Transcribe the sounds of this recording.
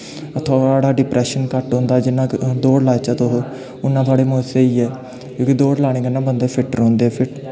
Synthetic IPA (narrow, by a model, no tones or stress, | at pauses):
t̪ʰoaːɽaːɖɪpɾɛːʃənkəʈɦõːnd̪aːd͡ʒɪnãːd̪oːɽlaːt͡ʃaːt̪oɦ | ʊnːãːt̪ʰoaːɽeːmõːseːiːɛː | kjõːkid̪oːɽlaːɽ̃eːkənãːbənd̪eːpʰɪʈɾõːnd̪eːɛːpʰɪʈ